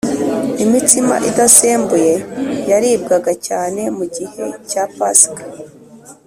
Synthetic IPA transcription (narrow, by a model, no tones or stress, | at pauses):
imitima̰ʔidaseːmbuje̞jaɾiːb̚ɡaɡacaːne̞muɟihe̞capaskḁ